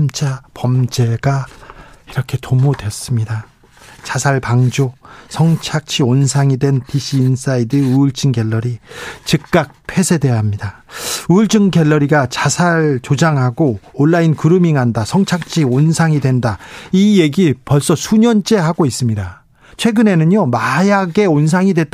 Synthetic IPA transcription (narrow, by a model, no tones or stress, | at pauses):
mt͡ɕ͈ʰapʌmd͡ʑe̞ɡa | iɾʌkʰe̞tomodwe̞s͈ɯmɲida | t͡ɕasʰaɭpaŋd͡ʑosʰʌŋt͡ɕʰak̚t͡ɕʰionsʰaŋidwenpiɕ͈ʰiːns͈aidɯuɭt͡ɕ͈ʰɯŋɡe̞ɭːʌɾit͡ɕɯk̚k͈ak̚pʰe̞sʰede̞ʌɦamɲida | uɭt͡ɕ͈ʰɯŋɡeɭːʌɾiɡat͡ɕasʰaɭt͡ɕod͡ʑaŋɦaɡoːnːainkɯɾɯmiŋɦandasʰʌŋt͡ɕʰak̚t͡ɕʰionsʰaŋidwe̞ndaije̞ɡipʌɭs͈ʌsʰuɲʌnt͡ɕ͈e̞ɦaɡois͈ɯmɲida | t͡ɕʰweɡɯne̞nɯnjomajaɡe̞ons̬ʰaŋidwe̞t